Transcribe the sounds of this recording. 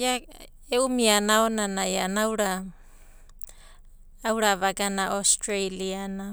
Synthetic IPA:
ja | eumianaonanajanauɾa | wɾavaɡanaʔostɾajliana

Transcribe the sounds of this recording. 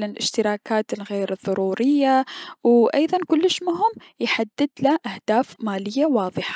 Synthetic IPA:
lɪlʔɪʃt̪ɪɾɑːkaːt̪ɪlɣeːɾðˤːɑɾuːɾɪjːawʔɑjðˤɑnkʊlːɪʃmʊɦʊm | jħad̪ːɪd̪laʔahd̪̥aːfmaːlɪjːawɑːðˤɨħḁ

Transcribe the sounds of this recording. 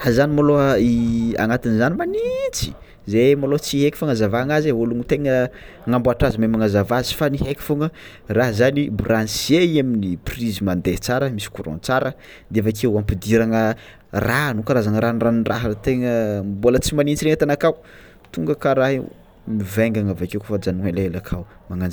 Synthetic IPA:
hazanimaloia̰ŋat̪inzanimanint͡si̥ | zemalot͡siɦeki̥faŋazavaaŋazeoluŋit̪eŋə | ŋambuaʈ͡ʂazimemaŋazavazi̥fanihɦekʲi̥foŋə | raɦzanibranseiaminiprizimand̪et͡saɾəmisi̥kuɾo̰nt͡saɾə | d̪eafakewampid̪iɾaŋə | ranukaɾazaŋəɾanraniraɦat̪eŋəmbolət͡simanint͡siɾeŋət̪anakaw | t̪uŋɡəkaɾaɦi | miveŋɡaŋavakewkofad͡ʒanualeelakʰaw | maŋand͡ʒa

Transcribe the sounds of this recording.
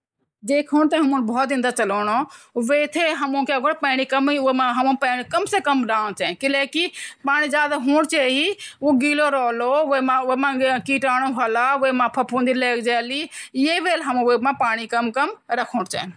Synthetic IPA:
d̪eːkʰoːñt̪ɐɦɐmũːnbɔːt̪ɪ̃nd̪at͡ʃɐloːɽ̃oʋeːt̪ʰeɦɐmũkeɡəɽpɛ̃ːɽ̃ikɐmimãɦɐmũpɛːɽ̃ikəmsekəmɖaːnt͡ʃɛːnkɪleːkipaːɽ̃id͡ʒaːd̪aɦũːɽt͡ʃeːɦiuɡiːloɾɔːloʋemãʊmãkiːʈaːɽ̃oɦɐlaːʊemãːpʰɐpʰũːnd̪ileːkd͡ʒɛːlijeʋeːlɦɐm̃ʋemãpaːɽ̃ikəmkəmɾɐkʰõːɽt͡ʃɛ̰ːn

